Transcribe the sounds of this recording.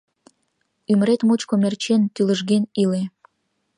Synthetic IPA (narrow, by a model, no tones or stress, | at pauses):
yməɾet̪mot͡ɕkomert͡ɕent̪yləʒɣenile